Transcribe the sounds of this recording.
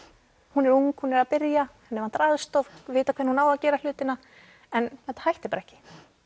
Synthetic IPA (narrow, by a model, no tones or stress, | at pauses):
hunɛɾuŋkhunɛɾaðpɪɾjahunːɛɾvant̪ɾaðst̪ɔfvɪːt̪akʰɛːɾnhunaːwaðcɛːɾal̥ʏːt̪ɪna | ɛnθɛht̪ḁhajht̪ɪ̥paɾɛhcɪ̥